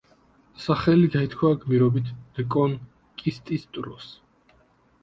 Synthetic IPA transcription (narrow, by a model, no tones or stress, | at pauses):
saχɛliɡait̪ʰkʰwaɡmiɾɔbit̪ʰɾɛkʼɔn | kʼist̪ʼist̪ʼɾɔ̰s